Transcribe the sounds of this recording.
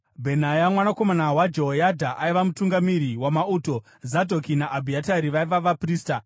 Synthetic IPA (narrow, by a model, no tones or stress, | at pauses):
bʱe̞n̤ajamwanako̞manawad͡ʒoɦojadʱaʔaiʋamutuŋɡamiɾiwamauːto̞ | zadʱo̞kinaʔːbʱiataɾiʋaiʋaʋapriːsta